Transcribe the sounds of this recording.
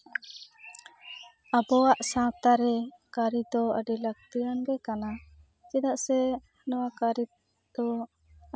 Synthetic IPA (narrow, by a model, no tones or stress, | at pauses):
abɔaʔsãt̪aɾɛ | kaɾid̪ɔə̰ɖilək̚t̪ijanɡɛkana | t͡ʃid̪aʔsɛ | nɔwakaɾi | d̪̥ɔ